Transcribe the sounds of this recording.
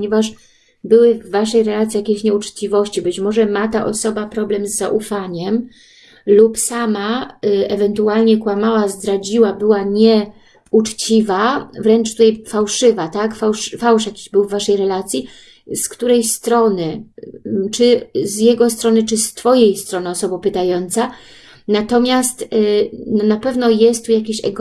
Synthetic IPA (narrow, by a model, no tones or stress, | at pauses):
ɲɛvaʂ | bɘwɘvːaʂɛjɾɛlat̪sʲijakʲeɕɲɛut͡ʂt͡ɕivɔɕt͡ɕibɘt͡ɕmɔʐɛmat̪aʔɔsɔbapɾɔblɛmzːaʔufaɲɛm | lupsamaɛvɛnt̪ualɲɛkwamawazd̪ɾad͡ʑiwabɘwaɲɛ | ut͡ʂt͡ɕivavɾɛnt͡ʂt̪ut̪ɛjfawʂɘvat̪akfawʂfawʂjakʲi̥ʑbɘwvːaʂɛjɾɛlat̪sʲji | skt̪uɾɛjst̪ɾɔnɘ | t͡ʂɘzjɛɡɔst̪ɾɔnɘt͡ʂɘst̪fɔjejst̪ɾɔnɨɔsɔbɔpɘt̪ajɔnt̪sa | nat̪ɔmʲjast̪nɔnapɛvnɔjɛst̪ːujakʲeɕɛ̰ɡ